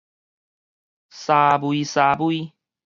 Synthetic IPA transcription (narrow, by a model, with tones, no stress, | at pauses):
sabu˨i˧sa˨bu˦i˦